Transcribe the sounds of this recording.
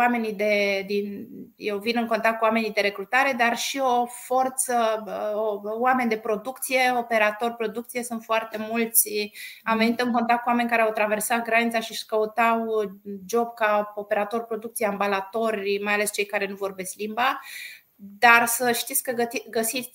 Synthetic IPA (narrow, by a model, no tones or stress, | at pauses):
ame̞nid̪e̞d̪injewvinɨŋko̞nt̪ak̚t̪̚kuwame̞nid̪eɾe̞kɾut̪aɾe̞d̪arʃio̞fo̞rt̪səowame̞nʲd̪e̞pɾo̞d̪ukt̪sije̞o̞pe̞ɾat̪o̞rʲpɾo̞d̪uk̚t̪sije̞sunt̪foart̪e̞mult̪sʲamve̞nit̪ɨŋko̞nt̪ak̚t̪̚kuame̞nʲkaɾeawt̪ɾave̞rsat̪̚ɡɾanit̪saʃiʃkəut̪awd͡ʒo̞bkao̞pe̞ɾat̪o̞rʲpɾo̞d̪ukt̪sijeambalat̪o̞rʲmajale̞st͡ʃe̞jkaɾe̞nuvo̞rbe̞sklimba | d̪arsəʃt̪it̪sʲkəɡəsit̪sʲ